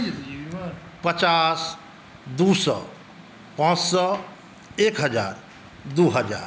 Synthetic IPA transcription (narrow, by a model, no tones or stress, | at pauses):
pət͡ʃas | d̪usɔ | pãt͡ʃsɔ | ekɦəd͡ʒaːɾ | d̪uɦəd͡ʒa̰ːɾ